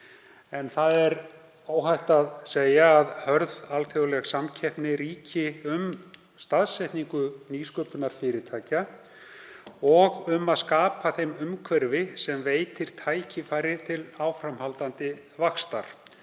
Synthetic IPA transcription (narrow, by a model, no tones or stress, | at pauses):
ɛnθaðɛɾ | oːwɦajht̪aðseːjaːðhœɾðalθjowlɛɣsamcʰɛhpnɪɾiːcɪʏm | st̪aðsɛjht̪niŋkʏniːskœːpʏnaɾ̥fɪːɾɪt̪ʰaːjca | ɔɣʏmaðskaːpaθejmʏmkʰvɛɾvɪsɛmveːjt̪ʰɪɾ̥t̪ʰaːjcɪfaːjɾɪt̪ʰɪlaːwfɾamhalt̪ant̪ɪ | vakst̪a̰ɾ̥